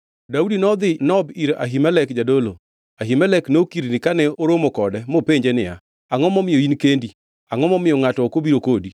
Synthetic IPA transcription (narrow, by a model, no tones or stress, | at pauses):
daudinɔd̪ɪnɔbiɾa̰ɦimɛlɛkd͡ʒadolo | aɦimɛlɛknokiɾnɪkanɛoɾomokɔdɛmopeɲd͡ʒenɪja̰ | aŋɔmɔmɪjoinkendi | aŋɔmɔmɪjɔŋatɔkobiɾokodi